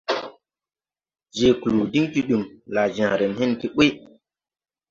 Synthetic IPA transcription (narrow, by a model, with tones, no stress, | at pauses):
d͡ʒe˨ku˨lu˨di˦ŋti˦ɗu˨mla˨d͡ʒã˨ɾe˨nhe˦nti˦ɓe˦